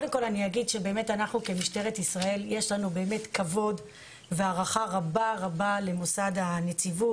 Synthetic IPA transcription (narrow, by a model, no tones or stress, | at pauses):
odemko̞laniaɡidʃebeːme̞tanaχnuke̞miʃte̞ʁetisʁae̞ljeʃlanube̞ːme̞tkavo̞d | veaʁaχaʁabaʁabale̞mo̞sad̪anet͡sivu